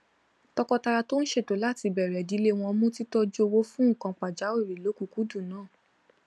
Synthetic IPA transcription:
tɔ˦kɔ˧ta˧ɾa˧to˦n̩˦ʃe˦˨to˨˦la˦˨ti˧bɛ˨ɾɛ˨di˨˦le˦w̃ɔ̃˧mũ˦ti˦tɔ˦d͡ʒo˧wo˦fũ˦˨kã˨˧k͡pa˨d͡ʒa˨˦o˦˨ɾi˨lo˨˦ku˧˦ku˨˦dũ˦˨nãː˨˦˨

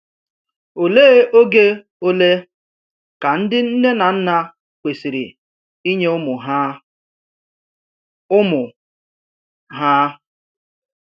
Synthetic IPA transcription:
o˨leː˦e˦ʔo˦ɡe˦ | o˦le˦ | ka˨n̩˦dɪ˦n̩˦ne˦na˨n̩˦na˦ | kʷe˨si˨ɾḭ˨ | i˦ɲe˦ʊ˦mʊ˨ɦa˦ | ʊ˦mʊ˨ | ɦa˦

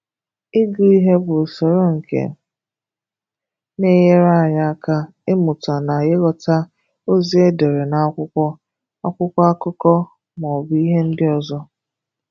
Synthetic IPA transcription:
ɪ˦ɡu˨i˦ɦe˦bʊ˨so˨ɾo˦ŋ̩˨kḛ˨ | ne˦je˦ɾa˦a˨ɲa˦a˦ka˦ | ɪ˦mʊ˨ta˨na˨ɣe˦ɣɔ˨ta˦ | o˦zi˦e˦de˨ɾe˨na˨˦kʷʊ˦kʷɔ˦ | a˦kʷʊ˦kʷa˦a˦kʊ˦kɔ˦ | m˨ɔ˨bi˦ɦe˦n̩˦dɪ˦ɔ˨zɔ˦

